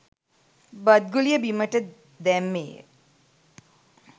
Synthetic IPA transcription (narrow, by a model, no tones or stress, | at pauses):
bɐd̪̚ɡulijəbiməʈə | d̪ɛmːḛːə̰